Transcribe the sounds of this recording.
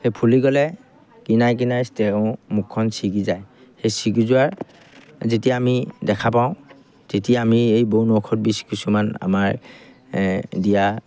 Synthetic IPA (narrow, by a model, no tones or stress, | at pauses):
xejpʰuliɡɔlɛ | kinajk̬inajstɛʊ̃mukʰːɔnsiɡizaj | xejsiɡizʊaɹ | zetijamidɛkʰapaʊ̃ | tetijaamiejbounɔkʰɔt̚biskisumana̰maɹ | dija